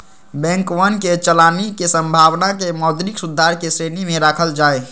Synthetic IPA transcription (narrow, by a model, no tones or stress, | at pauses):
bɛ̃ŋkʋənket͡ʃəlaːnikesə̃mbʱawnakemɔd̪ɾiksud̪ʱːaɾkesɾenimẽɾaːkʰəld͡ʒaːe